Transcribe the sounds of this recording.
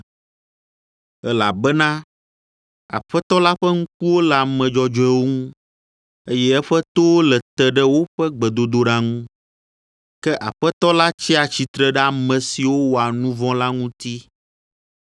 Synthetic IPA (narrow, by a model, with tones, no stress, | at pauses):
ɛ˦la̰˨bɛ˦nã˦ | a̰˨ɸɛ˦t̪ɔ˦la˦ɸɛ˦ŋũ˦k̚u˦wo˦lɛ˨a˨mɛ̃˨d͡ʒɔ˨d͡ʒɔ˦ɛ˦wo˦ŋũ˦ | e˦jɛ˦ɛ˦ɸɛ˦t̪o˦wo˦lɛ˨t̪ɛ˨ɖɛ˦wo˦ɸɛ˦ɡ͡bɛ˨d̪o˨d̪o˨˦ɖa˦ŋũ˦ | kɛ˦ʔa˨ɸɛ˦t̪ɔ˦la˦t͡ɕi˦a˨t͡ɕi˨t̪ɾɛ˦ɖɛ˦a˨mɛ̃˨si˨wo˦wo˨a˨nũ˦vɔ̃˦la˦ŋũ˦t̪i˦